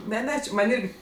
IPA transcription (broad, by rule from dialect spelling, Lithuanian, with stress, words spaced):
ˈnʲɛ ˈnʲɛ t͡ʃʲɪ ˈmɐnʲ ˈɪrʲɡʲɪ